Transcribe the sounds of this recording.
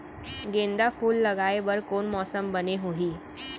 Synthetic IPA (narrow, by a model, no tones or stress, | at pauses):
ɡẽːnd̪afʰuːlːəɡaebəɾkoːnmɔːsəmbəneɦoɦiː